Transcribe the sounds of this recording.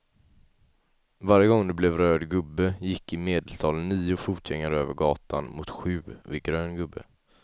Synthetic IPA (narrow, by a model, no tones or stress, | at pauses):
vaɾjəɡɔŋd̪ɛblɛvɾøːɖ̪ɡɵbːəjɪkːɪmeːd̪əlt̪ʰɑːlnːiːʊfuːt̪ʰjɛŋːəɾøːvəɾɡɑːt̪anmʊt̪ɧʉ̟ːvɪɡɾøːnɡɵbːə̰